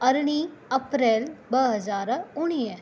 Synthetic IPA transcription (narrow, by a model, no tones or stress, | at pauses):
ɐɾɽ̃iɐpɾeːlbɐɦɐzaːɾʊñijə